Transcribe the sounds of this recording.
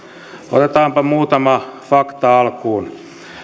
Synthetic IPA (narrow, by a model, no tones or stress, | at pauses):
o̰t̪et̪ɑːmpɑmuːt̪ɑmɑfɑkt̪ɑɑlkuːn